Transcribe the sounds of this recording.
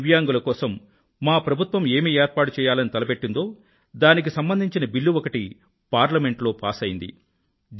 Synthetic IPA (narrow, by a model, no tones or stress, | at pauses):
ʋjaːŋɡulɐkɔːsɐmː | aːpɾɐbʱut̪ʋɐme̞ːmiːeːɾ̚paːʈut͡ʃɛːjaːlɐnit̪ɐlɐpeʈːind̪o̞ː | d̪aːnik̬isɐmbɐnd̪ʱiɲt͡ʃinɐbilːuʋɔkɐʈi | paːɾlɐme̞ɳʈlo̞ːpaːsɐjind̪ḭ | d͡ʒ